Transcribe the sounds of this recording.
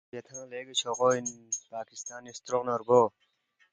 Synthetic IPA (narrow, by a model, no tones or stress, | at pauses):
ɐt̪ʰãːleːɡɐt͡ɕʰoʁoːinpaːkist̪aːnist̪ɾoqnɐɾɡoː